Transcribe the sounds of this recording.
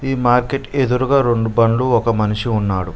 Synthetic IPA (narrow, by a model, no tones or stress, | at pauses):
iːmaːɾke̞ʈed̪uɾuɡaːɾe̞ɳɖubɐɳluɔkɐmɐniʂiunːaːɽu